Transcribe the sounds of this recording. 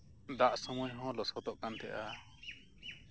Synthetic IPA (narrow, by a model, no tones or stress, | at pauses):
d̪aʔsɔmɔjɦɔ̃lɔsɔt̪ɔʔkant̪ɛʔa